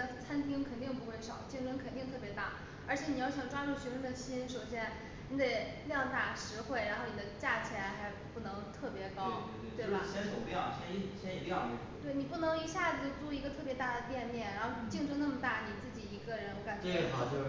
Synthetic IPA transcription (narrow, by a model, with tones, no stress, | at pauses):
t͡sʰa˥nt̪ʰi˥ŋkʰə˨˩nt̪i˥˩˧ŋpu˧˥xwe˥˧˩ʂɑ˨˩˦ʊt͡ɕi˥˧ŋʈ͡ʂə˥nkʰə˨˩nt̪i˥˧ŋt̪ʰɤ˥˩pjɛ˧˥t̪a̰˥˩ | ə˞˧˥t͡ɕʰjɛ˧˥ni˨˩jɑ˥˩ʊɕjɑ˨˩ŋʈ͡ʂwa˥ɻu˥˩ɕɥɛ˧˥ʂə˥nd̪ə˨ɕi˥nʂo˨˩ʊɕjɛ˥˩n | ni˧˥d̪e˨˩ɪ | ljɑ˥˩ŋt̪a˨˩ʂɻ̩˧˥xwe˥˩ɪɻa˧˥nxo˥˩ni˨˩d̪ə˦t͡ɕja˥˩t͡ɕʰjɛ˧˥nxa˧˥ɪpu˥˩nɤ˧˥ŋt̪ʰɤ˥˩pjɛ˧˥kɑ˥ʊ | t̪we˥˩ɪba˩ɕjɛ˥nsʰo˨˩ʊpjɑ˥˨˩ʊɕjɛ˥ni˥˩ɕjɛ˥ni˨˩pjɑ˥˩˧t̪we˥˩ɪni˨˩pu˥˩nɤ˧˥ŋi˧˥ɕja˥˩d͡zɹ̩˧˩ʈ͡ʂu˥˩i˧˥ɡə˧t̪ʰɤ˥˩pjt̪a˥˩d̪ə˩p̪jɛ˥˧nljɛ˥˩nɻa˧˥nxo˥˧ʊt͡ɕi˥˧ŋʈ͡ʂwə˥na˥˩mə˩t̪a˥˩ni˨˩t͡sɹ̩˥˩t͡ɕi˨˩i˧˥ɡə˧ɻə˧˥nka˨˩nt͡ɕɥ